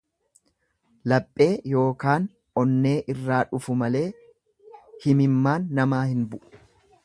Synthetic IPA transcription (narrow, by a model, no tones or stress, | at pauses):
lɐpʼːe̞ːjo̞ːkaːn | ɔnːe̞ːʔɪrːaːᶑʊfʊmɐle̞ː | hɪmɪmːaːnːɐmaːhɪnbʊʔʊ̥